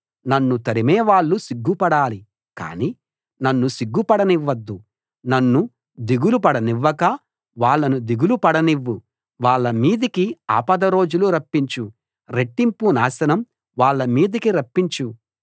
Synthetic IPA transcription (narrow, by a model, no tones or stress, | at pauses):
nɐnːut̪ɐɾimɛːʋaːɭːusiɡːupɐɽaːli | ka̰ːniː | nɐnːusiɡːupɐɽɐniʋːɐd̪ːu | nɐnːu | d̪iɡulupɐɽɐniʋːɐkɐ | ʋaːɭːɐnud̪iɡulupɐɽɐniʋːu | ʋaːɭːɐmiːd̪ikia̰ːpɐd̪ɐɾo̞ːd͡ʒuluɾɐpːiɲt͡ʃu | ɾeʈːimpunaːsɐnɐm | ʋaːɭːɐmiːd̪ikiɾɐpːiɲt͡ʃu